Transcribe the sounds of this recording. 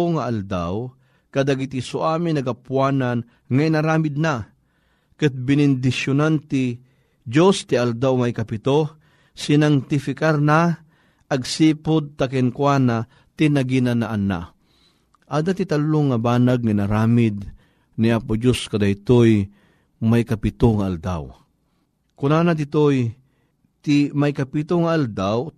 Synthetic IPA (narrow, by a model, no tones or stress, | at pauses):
ŋaʔald̪a̰w | kɐd̪aɡit̪isʊʔaːminɐɡapwaːnan | ŋainaɾaːmɪd̪̚na | kɨt̪̚bɪnɪnd̪ɪʃjʊnant̪ɪ | d͡ʒost̪ɪald̪awmajkɐpɪt̪o | sɪnaŋt̪ɪfɪkaɾna | ʔɐɡsiːpʊd̪̚t̪akɛnkwana | t̪ɪnaɡinanaʔana̰ | ʔaːd̪at̪ɪt̪alːoŋɐbaːnaɡ̚ninaɾaːmɪd̪ | nɪʔapʊd͡ʒoskɐd̪ajt̪oj | majkɐpɪt̪oŋaald̪a̰w | kʊnanad̪ɪt̪oj | t̪ɪmajkɐpit̪oŋaːld̪aw